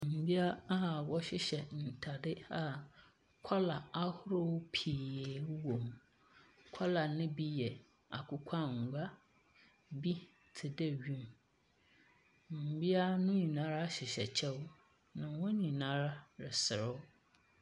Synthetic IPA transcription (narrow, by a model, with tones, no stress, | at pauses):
m̩˨bi˦a˦a˦a˨wɔ˦ɕɪ˦ɕɛ˨n̩˨tʰa˨dɪ˦a˨ | kʷʰa˦la˨a˦hʊ˦ɾʊ˦pʰi˨e˨˦wõ˨m | kʰa˦la˨nɪ̃˦bi˦jɛ˨ | a̰˨kʰʊ˦kʷʰã˦ŋ̩˨ɡʷa˦ | bi˦ | tʰɪ˨dɛ˦ɥĩ˦m | m̩˨bi˦a˦nʊ̃˦ɲĩ˨nã˦ɾa˦ɕɪ˨ɕɛ˨t͡ɕʰɛ˦w | nã˨wɔ̃˦ɲĩ˨nã˦ɾa˦ɾɪ˨sɪ˨ɾɪ˦